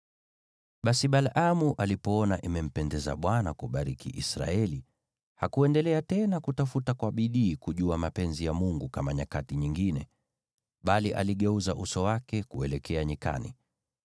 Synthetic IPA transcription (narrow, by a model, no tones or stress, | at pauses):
ɓasiɓalʔamuʔalipɔɔnaʔimɛm̩pɛndɛza̰ɓwanakuɓaɾikʰiʔisɾa̰ɛli | hakuɛndɛlɛatɛnakutafutakwaɓiɗiːkuʄuamapɛnzijamuŋɡukamaɲakatiɲiŋɡinɛ | ɓaliʔa̰liɠɛuzaʔusɔwakɛkuɛlɛkʰɛaɲika̰nḭ